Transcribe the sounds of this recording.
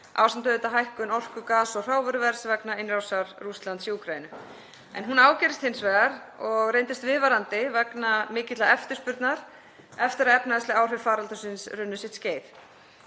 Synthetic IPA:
ʔa̰wsɛmt̪œðʏt̪aɦajhkʏnɔr̥kʏkaːsɔr̥aːwvœɾʏvɛɾ̥svɛknaenɾawsaɾrust̪lant̪siukʰɾajɪnʏ | ɛ̰nɦunaːwcɛːɾɪst̪hɪnsvɛːɣaɾ | ɔɣrejnt̪ɪst̪vɪðvaɾant̪ɪvɛknamɪːcɪt̪laɛft̪ɪ̥ɾspʏɾt̪naɾ̥ | ɛft̪ɪɾaðɛpnaðɛst̪ɪaːwr̥ʏfaːɾalt̪ʏsɪnsɾʏnːʏsɪt̪sceːjf

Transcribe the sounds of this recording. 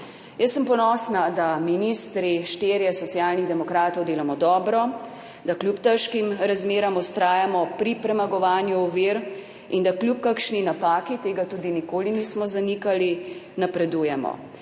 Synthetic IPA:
jəsːəmpɔnɔːsnad̪aminist̪ɾiʃt̪eːɾjɛsɔsjaːlniɣd̪ɛmɔkɾaːt̪ɔwd̪eːlamɔd̪ɔːbɾɔ | d̪aklʲjupt̪əʃkimɾazmeːɾɔmust̪ɾaːjamɔpɾipɾɛmaɡɔʋaːnjuɔʋiɾ | ind̪aklʲjupkakʃninapaːkit̪eːɡat̪uːd̪inikoːliniːsmɔzanikalinapɾɛd̪ujɛmɔ̰

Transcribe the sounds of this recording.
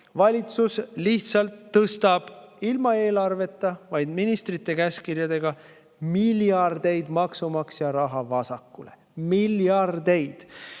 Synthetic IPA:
vɑlʲit̪susliht̪sɑlt̪ːɤst̪ɑb̥ | ilmɑe̞ːlɑrve̞t̪ːˑɑvɑjd̪minist̪rit̪ːˑe̞kæskirjɑd̪e̞ɡ̥ɑ | miljɑrd̪̥e̞jd̪mɑksumɑksjɑɾɑɦɑvɑsɑkːulḛ | miljɑrd̪e̞jd̪̥

